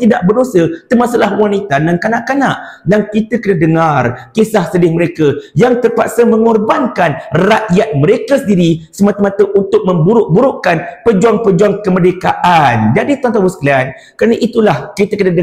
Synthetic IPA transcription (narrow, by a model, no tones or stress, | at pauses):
t̪idaʔbərdosət̪ərmãsalahwanit̪adankanaʔkanaʔdaŋkit̪əkənadəŋarkesahsədɪhməɾekəjaŋt̪ərpaksəmə̃ŋɔrbankanraʔjat̪̚mə̃ɾekəsəndiɾisəmat̪əmãt̪əʔunt̪ʊk̚mə̃mbuɾʊʔ̚buɾʊʔkanpəd͡ʒuaŋpəd͡ʒuaŋkəmədekaʔand͡ʒadit̪ant̪awəsklan | kəɾanaʔit̪ulahkit̪əkənadə